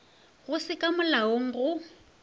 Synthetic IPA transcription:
ɣʊsɪkʼamʊlaoŋ̩ɣʊ

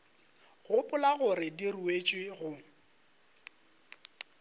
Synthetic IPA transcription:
ɣʊpʼʊlaɣʊrɪdiruet͡ʃʼwɪɣʊ

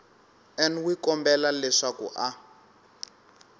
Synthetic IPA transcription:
ɛnwikɔmbɛlalɛʂakṵʔa

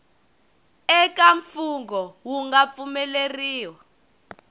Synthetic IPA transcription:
ɛk̬ʼaɱfuŋɡɔwuŋɡap̪fumɛleriːwa

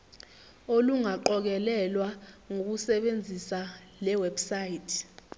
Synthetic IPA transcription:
oluŋaǃɔk̬ɛlɛlwaŋok̬usɛɓend͡zʱisalɛwɛbsajitʰ

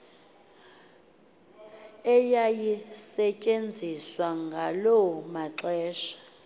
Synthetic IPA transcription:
ɛjajisɛcʼend͡zʱiswaŋɡʱalɔmaǁɛːʃḁ

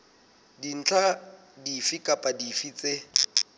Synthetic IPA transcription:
din̩t͡ɬʰa | difikʼapʼadifit͡sʼe

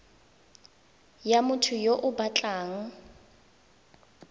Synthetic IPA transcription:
jamʊtʰʊjoʔʊbat͡ɬʼaːŋ̩

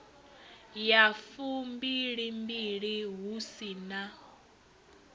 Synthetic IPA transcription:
jafumbiɺimbiɺiɦusina

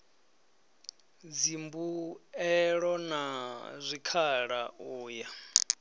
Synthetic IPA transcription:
d͡zimbuɛɺɔnazʷikʰaɺauːja

